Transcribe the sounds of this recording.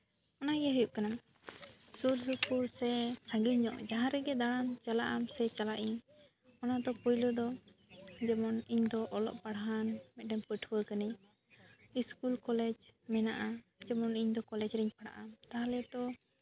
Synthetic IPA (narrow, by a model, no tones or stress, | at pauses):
ɔnaɡɛɦujuʔkanam | suɾsupuɾsɛsãŋɡiɲɲɔʔd͡ʒaɦãɾɛɡɛd̪aɽant͡ʃalaʔamsɛt͡ʃalaʔiɲ | ɔnad̪ɔpɔjlɔd̪ɔ | d͡ʒɛmɔniɲd̪ɔʔɔlɔ̰ʔpaɽaɦanmɛt̪̚ɖɛmpəʈʰuwəkaniɲ | iskulkɔlɛd͡ʒmɛnaʔad͡ʒɛmɔniɲd̪ɔkɔlɛd͡ʒɾɛɲpaɽa̰ʔamt̪aɦalɛt̪ɔ